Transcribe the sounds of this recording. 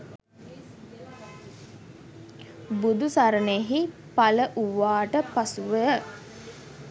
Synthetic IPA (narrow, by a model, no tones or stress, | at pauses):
bud̪usaɾəneɦi | paləʔuʋaːʈəpasuʋə